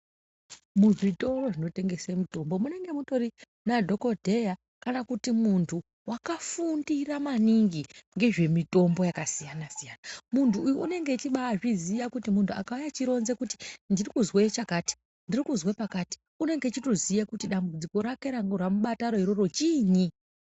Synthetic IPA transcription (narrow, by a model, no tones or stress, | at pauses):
muʐito̞ro̞ʐino̞te̞ŋɡe̞semito̞mbo̞mune̞ŋɡe̞muto̞ri | nadʱo̞ko̞dʱe̞ja | kanakutimuntʰu | wakafundiramaniŋɡiŋɡe̞ʐe̞mito̞mbo̞jakasijanasijaːnamuntʰuːjuune̞ŋɡet͡ʃiɓaʐizijakutimuntʰua̰kaujat͡ʃiɾo̞nze̞kuti̥ndirikuzwet͡ʃakaːti̥ | ndirikuzwepakaːti̥ | une̞ŋɡe̞t͡ʃito̞zijakutiɗambud͡ziko̞ɾakeɾaŋɡoramuɓataɾo̞ɦiɾo̞ro̞t͡ʃiːɲi